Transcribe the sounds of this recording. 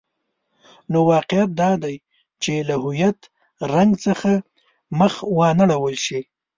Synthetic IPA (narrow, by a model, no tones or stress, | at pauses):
nowɑqɪjat̪̚d̪ɑd̪aj | t͡ʃelaɦʊjat̪ | ɾaŋɡt͡səxa | məxwɑnaɽawəlʃi